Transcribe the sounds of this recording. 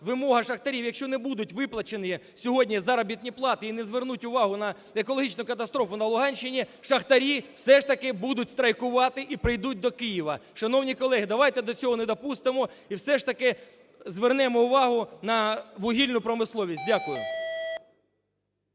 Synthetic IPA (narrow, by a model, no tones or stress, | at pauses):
ʋɪmɔɦɐʃɐxt̪ɐɾʲiwjɐkʃt͡ʃɔnɛbud̪ʊtʲʋɪplˠɐt͡ʃenɪj | sʲɔɦɔdʲnʲizɑɾɐbʲit̪ʲnʲiplˠɑt̪ɪinɛzʋernutʲʊʋɑɦʊnɐ | ekɔlˠɔɦit͡ʃnʊkɐt̪ɐst̪ɾɔfʊnɐlˠʊɦɑnʲʃɪnʲiʃɐxt̪ɐɾʲiwsɛʃt̪ɐkɪbud̪ʊtʲst̪ɾɐjkʊʋɑt̪ɪʔipɾɪjd̪ut̚ʲd̪ɔkɪjiʋɐʃɐnɔwnʲikɔlˠɛɦɪd̪ɐʋɑjt̪ɛd̪ɔt͡sʲɔɦɔnɛd̪ɔpust̪ɪmɔ | iwsɛʂt̪ɐkɪ | zʋernɛmɔʊʋɑɦʊnɐʋʊɦʲilʲnʊpɾɔmɪslˠɔʋʲisʲt̚ʲdʲakʊjʊ̰